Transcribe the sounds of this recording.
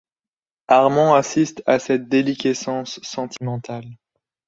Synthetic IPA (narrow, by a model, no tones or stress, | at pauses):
aʁmɑ̃asist̪asɛt̪̚d̪elikʲesɑ̃sːɑ̃t̪ʰimɑ̃t̪al